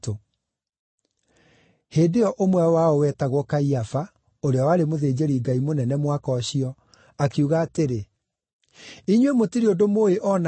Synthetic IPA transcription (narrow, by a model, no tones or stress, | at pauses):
to | heːdeɔʔomwɛwaɔwɛtaɣwɔkaiafa | oɾeawaːɾemoðeːd͡ʑeɾiɡaimonɛnɛmwakɔɕiɔ | akeuɣaːteɾe | iɲwemotiɾiodomoeʔɔna